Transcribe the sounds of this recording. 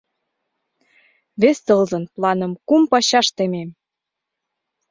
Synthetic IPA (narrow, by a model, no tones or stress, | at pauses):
βest̪ɤlzɤ̆nplɑnə̆mkumpɑɕɑʃt̪ĕmem